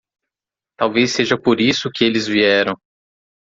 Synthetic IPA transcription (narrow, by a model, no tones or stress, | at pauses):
t̪awvejsːeʒɐpoɾisʊkɪelɪzviɛɾɐ̃w̃